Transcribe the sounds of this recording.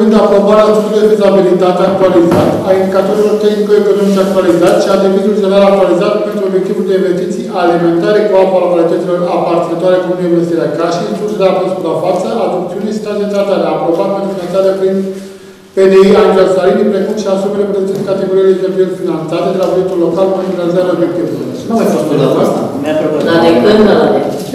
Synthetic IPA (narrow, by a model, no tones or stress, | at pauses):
ɨnd̪apɾo̞baɾead̪esut̪eled̪izabilit̪at̪eak̚t̪ualizat̪aind̪ikat̪o̞ɾilo̞rt̪e̞xnikoeko̞no̞mit͡ʃak̚t̪ualizat̪ʲʃiad̪evid̪ulʒeɾalak̚t̪ualizat̪pent̪ɾuobje̞k̚t̪ivuld̪e̞inve̞st̪it̪sijʔalime̞nt̪aɾe̞kuapalakalit̪ət̪silo̞ɾapart̪sinat̪oaɾed̪inueinvest̪iɾakarʃiist̪ulʒeɾalpost̪ulafat̪səʔad̪op̚t̪siunesi̥t̪ad̪et̪at̪ad̪eapɾo̞baɾmend̪efinant̪aɾepɾin | pe̞neiad̪ɾelsaɾinipɾe̞kumʃiasumelepd̪ut̪iskat̪e̞ɡoɾijelet̪t̪ɾujekt̪finant̪sat̪ed̪e̞lapɾujekt̪ullo̞kalpent̪ɾuk̪alizaɾao̞bje̞k̚t̪ivuluonasoeɾanasa̰mod̪aepeneɾabe